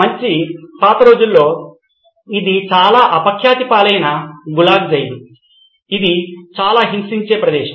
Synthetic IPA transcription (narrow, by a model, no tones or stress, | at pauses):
mɐɲt͡ʃipaːt̪ɐɾo̞ːd͡ʒulːo̞ː | id̪it͡ʃaːlaːʔɐpɐkʰjaːt̪ipaːlɐjnɐɡulaːɡd͡ʒɐjd̪u | id̪it͡ʃaːlaːɦimsiɲt͡ʃe̞ːpɾɐd̪ɛːʃɐ